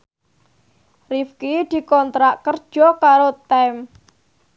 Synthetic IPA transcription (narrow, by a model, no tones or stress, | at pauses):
rifkid̪̥i̤kɔnt̪ɾaʔkərd̥ʒ̥ɔkaɾot̪ɛm